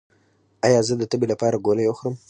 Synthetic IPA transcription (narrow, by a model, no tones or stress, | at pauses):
ɑjɑzəd̪ət̪əbelapɑɾaɡolajwəxɾəm